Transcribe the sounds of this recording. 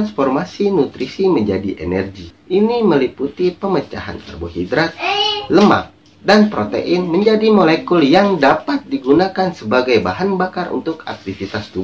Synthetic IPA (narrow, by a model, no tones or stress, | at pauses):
ansformasinut̪ɾisiməɲd͡ʒadiʔḛnɛrɡiʔiniməliput̪ipəmət͡ʃa̰ɦa̰nkərboɦidɾat̪̚ləma̰k̚ | danpɾot̪ḛʔɪnməɲd͡ʒadimolekʊljaŋdapat̪̚diɡunakansəbaɡajbaɦanbakarʔṵnt̪ʊka̰k̚t̪ifit̪asdu